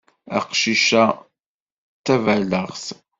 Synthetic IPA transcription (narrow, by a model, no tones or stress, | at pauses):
æ̰qʃiʃæ | t͡s̪ːævæləʁs